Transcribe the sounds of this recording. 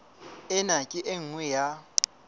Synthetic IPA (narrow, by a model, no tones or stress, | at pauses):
ɪnakʼɪʔeŋ̩ŋwɛja